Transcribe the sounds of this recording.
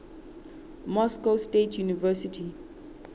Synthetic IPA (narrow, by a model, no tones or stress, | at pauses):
mɔskostetʰjunivɛsitʰi